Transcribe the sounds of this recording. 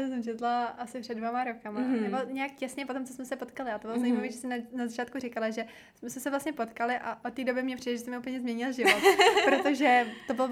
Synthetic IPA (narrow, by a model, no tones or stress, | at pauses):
as̬ɛmt͡ʃɛt̪laʔasɪpr̥ɛdvomaɾokamanɛbolɲɛjak̚cɛsɲɛpo̞t̪o̞mt͡sosmɛsɛpo̞t̪kalɪat̪o̞bɪlozaimaviːʒɛsɛnnazat͡ʃaːt̪̚kurɪkalaʒɛ | smɛsmɛsɛvlastɲɛpo̞t̪kalɪʔaʔot̪t̪ːiːdo̞bɪmɲɛpr̥idɛʒɛst̪ɛmɪupəɲɛzmɲɛɲɪlʒɪvot̪pɾot̪oʒɛt̪o̞bɪl